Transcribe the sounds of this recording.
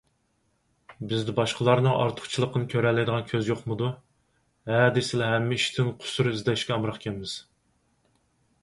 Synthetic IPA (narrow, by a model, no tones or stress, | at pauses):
bɪzd̪ɪbɑʃqʰəlˠɑɾnɨŋʔɑ̰ɾt̪ʰʊ̥χt͡ʃʰilˠəqːənɨkʲʰøɾɛlːɛd̪əʁɑnkʲʰøzjoχmʊd̪u | hæd̪ɪsɪlɛɦɛmːɪiʃt̪ʰɪnqʰʊ̥suɾɨizd̪ɛʃkʲɛɑmɾɑχkʲʰɛlmɪz̥